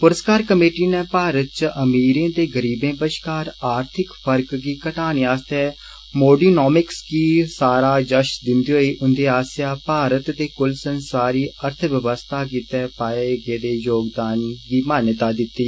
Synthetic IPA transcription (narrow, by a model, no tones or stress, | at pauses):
pʊɾəskaːɾkəmeːʈiːneːpaːɾət̪̚t͡ʃəʔəmiːɾẽːd̪eːɡəɾiːbẽːpəʃkaːɾaːɾt̪ʰɪkfʰəɾkɡiːkəʈaːniːaːst̪ɛː | moːɖiːnoːmɪksɡiːsaːɾaːd͡ʒəʃd̪ɪnd̪iːɦoːiːʔʊnd̪eːaːsjaːpaːɾət̪d̪eːkʊlsənsaːɾiːəɾt̪ʰʋjəʋəst̪ʰaːk̬iːt̪ɛːpaːeːɡeːd̪eːjoːɡd̪aːnɡiːmaːnət̪aːd̪ɪt̪ːiː